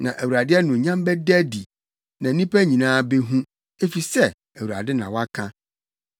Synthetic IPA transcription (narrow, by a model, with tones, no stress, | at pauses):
nã˨ʔæ˨wu˨ɾa˨dɪ˦ɛ˦nʊ̃˨ɲã˦mbɛ˦dæ˦di˨ | nã˨˦nĩ˦pʰæ˦ɲĩ˨nãː˦be˦ɦũ˦ | e˦fi˨sɛ˦ | æ˨wu˨ɾa̰˨dɪ˦nã˨wa˦kʰã˦